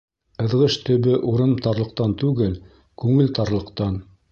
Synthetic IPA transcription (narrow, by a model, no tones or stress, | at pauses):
ɤ̆ðʁɤʃt̪ɵ̆βɘʔuɾɤmt̪ɑɾlˠɤ̆q̚t̪ɑnt̪ʉɡɘl | kʉŋɘlt̪ɑɾlˠɤ̆qt̪ɑn